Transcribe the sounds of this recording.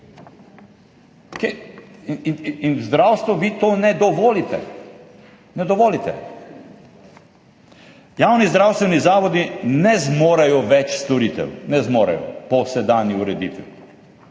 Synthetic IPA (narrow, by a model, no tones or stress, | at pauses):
ke | ininzd̪ɾawst̪ʋɔʋit̪onɛd̪ɔʋoːlit̪ɛ̰ | nɛd̪ɔʋoːlit̪ɛ̰ | jaːwnizd̪ɾaːwst̪ʋɛnizaːʋɔd̪inɛzmoːɾajɔʋɛt͡ʃst̪ɔɾiːt̪ɛ̰wnɛzmoːɾa̰jɔ̰pɔsɛd̪aːnjiuɾɛd̪ḭːt̪ʋḭ